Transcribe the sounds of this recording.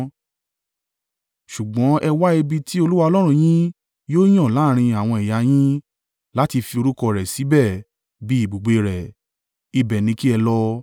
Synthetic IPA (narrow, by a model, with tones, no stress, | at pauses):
ʃu˨ɡ͡bɔ̃˨˦ʔɛ˧wa˦e˧bi˧ti˦o˧lu˦wa˧ɔ˧lɔ˦ɾ̃ũ˦˨j̃ĩ˦ | joː˦j̃ɔ̃˦˨la˨˦˨ɾ̃ĩ˧a˨w̃ɔ̃˧i˨ja˨˧j̃ĩ˦ | la˦ti˧fi˧o˧ɾu˦kɔ˧ɾɛ˨si˨˦bɛ˦˨ | bi˨˦i˦˨ɡ͡bu˨ɡ͡be˧ɾɛ˨ | i˧bɛ˨nĩ˧ki˦ɛ˧lɔ˦